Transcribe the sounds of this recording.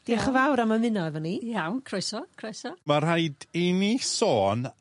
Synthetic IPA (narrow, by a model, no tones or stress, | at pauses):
d̥iaχəvawɾamamɪnɔɛvɔnijawnkʰrɔjsɔkʰrojsɔmarhajdinisoːn